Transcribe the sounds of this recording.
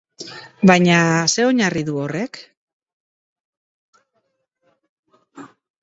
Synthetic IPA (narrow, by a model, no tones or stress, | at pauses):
bajɲase̞o̞ɲariðuore̞k